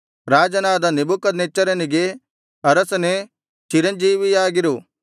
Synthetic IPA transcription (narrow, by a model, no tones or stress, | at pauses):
ɾaːd͡ʒɐnaːd̪ɐnebukɐd̪neːt͡ʃːɐɾɐniɡe | ɐɾɐsne | t͡ʃiɾɐnd͡ʒiːʋijaːɡɪɾuː